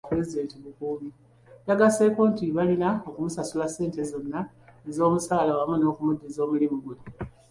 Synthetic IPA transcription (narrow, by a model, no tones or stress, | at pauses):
pɾezide̞ːntiβukuːβi | jaɡase̞koːntiβalinao̞kumusasulase̞ːnte̞zo̞nːa | e̞zo̞ːmusaːlawamuno̞ːkumudːizo̞ːmulimuɡuli